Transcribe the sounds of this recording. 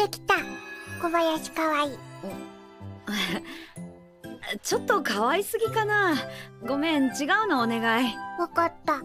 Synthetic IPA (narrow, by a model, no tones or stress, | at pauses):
t̪e̞kʲi̥t̪ako̞bajaɕi̥kaβai | t͡ɕo̞t̪ːo̞kaβaisɨɡʲikanaɡo̞mẽ̞ɲt͡ɕiɡaɯ̟noːne̞ɡaiokat̪ːa